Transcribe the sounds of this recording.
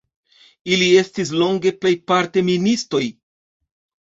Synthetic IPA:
ilie̞stis̬lo̞ŋɡe̞ple̞jpaɾte̞ministo̞j

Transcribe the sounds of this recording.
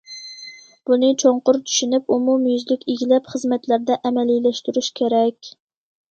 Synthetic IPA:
b̥unɨt͡ʃʰoɴqʊɾt͡ʃ̪ʰy̥ʃynypumumjyzlɪkʲiɡʲilɛpχəzmɛt̪læɾd̪ɛʔɛmɛlilɛʃt̪yɾyʃkʲʰeɾɛkʲ

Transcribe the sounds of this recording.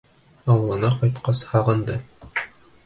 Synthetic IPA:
ɑwɤ̆lˠɤ̆nɑqɒjt̪qɑshɑʁɤ̆nd̪ɤ

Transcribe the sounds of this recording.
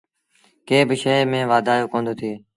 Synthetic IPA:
keːbɪʃeːmẽːʋaːd̪ʱaːjoːkõːnd̪oːt̪ʰeː

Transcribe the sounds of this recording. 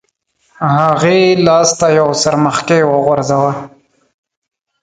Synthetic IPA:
haɣelɑst̪ajawsaɾməxkewəɣʊɾzawa

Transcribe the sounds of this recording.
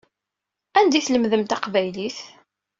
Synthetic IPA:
ænd̪iθləmðəmt̪ɑqvæjliθ

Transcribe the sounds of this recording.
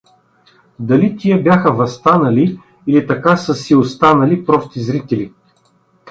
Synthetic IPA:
d̪ɐlit̪ʲiəbjaxəvɐst̪anɐli | ilit̪ɐkasəsiost̪anɐlipɾɔst̪izɾit̪ɛli

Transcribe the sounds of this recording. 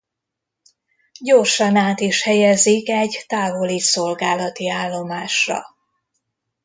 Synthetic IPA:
ɟo̞rʃɒnaːt̪iʃhɛjɛzikɛɟt̪aːvo̞liso̞lɡaːlɒt̪iaːlːo̞maːʃrɒ̰

